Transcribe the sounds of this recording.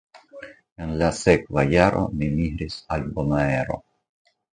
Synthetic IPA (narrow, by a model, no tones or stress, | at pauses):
enlasekvajaɾʔo̞̰mimihɾisalbomaeɾo̞̰